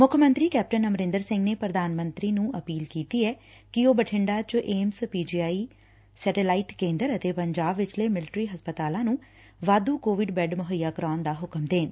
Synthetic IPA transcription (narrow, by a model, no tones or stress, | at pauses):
mʊkʰəmə̃nt̪ɾiːkɛːp̚ʈənəmɾɪ̃nd̪əɾsɪ̃ŋɡneːpɾəd̪aːnmə̃nt̪ɾiːnũːəpiːlkiːt̪iːɛː | kɪoːbəʈʰɪɳɖaːt͡ʃʔeːmspiːd͡ʒiːaːiː | sɛːʈeːlaːiːʈkẽːnd̪əɾət̪eːpəɲd͡ʒaːbʋɪt͡ʃleːmɪlɪʈɾiːɦəspət̪aːlãːnũː | ʋaːd̪uːkoːʋɪɖbɛːɖmʊɦəjaːkɾaːnd̪aːɦʊkəmd̪eːn